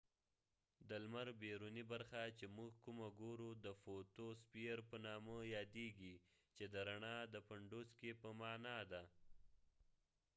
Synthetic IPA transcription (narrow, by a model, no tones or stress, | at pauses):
d̪əlmaɾbeɾunibaɾxat͡ʃemuɡkumaɡoɾud̪əfot̪ospiɾpənɑməjɑd̪eɡi | t͡ʃed̪əɾaɳɑd̪əpaɳɖoskepəmɑnɑd̪a